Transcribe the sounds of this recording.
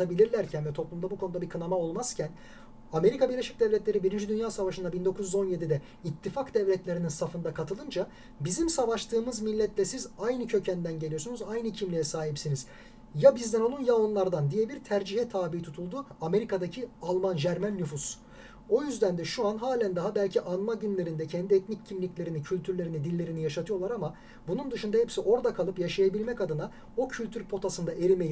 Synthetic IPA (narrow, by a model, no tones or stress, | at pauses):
abilʲiɾlʲæɾcʰænvɛt̪ʰo̞plˠumd̪abukʰo̞nud̪abikʰɯnamao̞lˠmaz̥cʰæn | ame̞ɾikʰabiɾlʲe̞ʃic̚d̪ɛvlʲɛt̪lʲeɾibiɾind͡ʒid̪ynjaːsavaʃɯnd̪abind̪o̞kʰuzjyzo̞nje̞d̪id̪ɛ | it̪ʰːifakd̪ɛvlʲɛt̪lʲe̞ɾininsafɯnd̪akʰat̪ʰɯlˠɯnd͡ʒa | bizimsavaʃt̪ʰɯːmɯzmilʲːɛt̪lʲɛsizajnɯcʰø̞cʰænd̪ænɟe̞lʲijosunuzajnɯcʰimlʲijɛsaːɦipsiniz̥ | jabizd̪ɛno̞lˠunjaonlˠaɾd̪and̪ijɛbiɾt̪ʰæɾd͡ʒiɦɛt̪ʰaːbiit̪ʰut̪ʰulˠd̪uame̞ɾikʰad̪acʰialˠmand͡ʒæɾmænːyfus | o̞jyzd̪ænd̪ɛʃuanɦaːlʲænd̪aɦabælʲcʰiʔanmaɟynlʲe̞ɾind̪ɛcʰɛnd̪iɛt̪niccʰːimlʲiclʲe̞ɾinicʰylʲt̪ʰyɾlʲeɾinid̪ilʲːe̞ɾinijaʃat̪ʰɯjo̞lˠaɾama | bunund̪ɯʃund̪ahɛpsiʔo̞ɾd̪akʰalˠɯpjaʃajabilʲmɛcad̪ɯna | o̞cʰylʲt̪ʰyɾpʰo̞t̪ʰasɯnd̪aʔe̞ɾimej